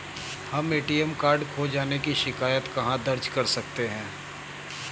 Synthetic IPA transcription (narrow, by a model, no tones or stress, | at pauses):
hɐmeːʈijɛmkaːɾɖkʰoːd͡ʒaːnekiʃɪkaːjət̪kɐɦãd̪ɐɾd͡ʒkɐɾsɐk̚t̪eɦɛ̃ː